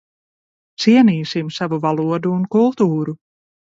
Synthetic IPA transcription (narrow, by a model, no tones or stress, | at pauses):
t̪siɛniːsimsavuvalˠuɔd̪uːnkulˠt̪uːɾu